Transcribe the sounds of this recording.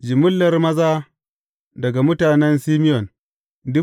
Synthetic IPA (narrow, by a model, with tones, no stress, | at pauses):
d͡ʒɪ˨mʊ˦lːɐ˦rmɐ˦zaː˦ | dɐ˨ɡa˨mʊ˦taː˨nɛ˦nsi˦mɪ˦jɔ˨n | dʊ˦